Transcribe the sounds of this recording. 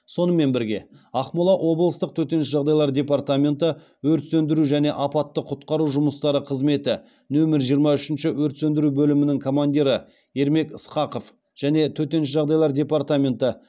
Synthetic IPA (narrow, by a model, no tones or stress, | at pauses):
so̞nəme̞nbɪɾɡʲe̞̰ | ɑqmʊlˠɑʔwʔo̞blˠəst̪əq̚t̪ʰɵt̪e̞nʃɪʒɑʁd̪ɑjlˠɑɾd̪ʲe̞part̪amʲe̞nt̪ə | wɵɾt̪sɵnd̪ɪɾuʒæne̞ʔɑpɑt̪ːəqʰʊt̪qɑɾuʒʊməst̪ɑɾəqʰəzme̞t̪ɪ | nɵmɪɾʒijəɾmɑʏʃɪnʃɪwɵɾt̪send̪ɪɾubɵlɪmɪnɪŋkʰo̞mand̪ʲiɾə | e̞ɾme̞kəsqɑqo̞f | ʒ̥æne̞t̪ʰɵt̪e̞nʃɪʒɑʁd̪ɑjlˠɑɾd̪ʲe̞part̪amʲe̞nt̪ə